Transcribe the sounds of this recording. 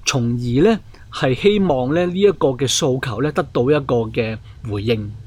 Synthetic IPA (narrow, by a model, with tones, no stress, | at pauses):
t͡sʰʊ˨˩ŋjiː˨˩lɛː˥ | hɐ˨jhe˥jmɔː˨ŋlɛː˥liː˥jɐ˥t̚kɔː˧kɛː˧so˧wkʰɐ˨˩wlɛː˥t̪ɐ˥k̚t̪o˧wjɐ˥t̚kɔː˧kɛː˧ | wuː˨˩jːɪ˧ŋ